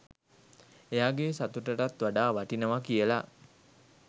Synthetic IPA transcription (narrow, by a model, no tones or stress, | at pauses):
ejaːɡesat̪uʈəʈat̪ʋaɖaːʋaʈinəʋakijəla